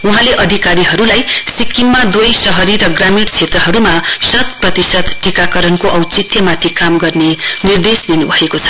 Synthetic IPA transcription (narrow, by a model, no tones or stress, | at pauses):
uɦãleʔʌd̪ʱikaɾiɦʌɾulajsikiŋmad̪ujsʌɦʌɾiɾʌɡramiʈt͡sʰet̪rʌɦʌɾumasʌt̪̚prʌt̪isʌd̪ʈikakʌɾʌnkoʔʌwt͡sit̪jʌmat̪ʰikamɡʌrnenird̪esd̪inubʱʌekot͡sʰʌ̥